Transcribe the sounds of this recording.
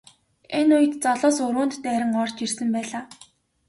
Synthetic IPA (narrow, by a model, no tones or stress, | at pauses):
enʊjɘ̆t̪t͡sɔɮɔːsʊɾwʊːnt̪ːæːɾʲɪ̆ŋɔr̥t͡ɕirsɘ̆mpæːɮaː